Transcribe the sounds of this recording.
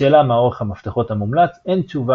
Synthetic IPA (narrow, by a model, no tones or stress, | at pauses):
eːlamao̞ʁeχhamaft̪eχo̞thamumlat͡se̞nt͡ʃuva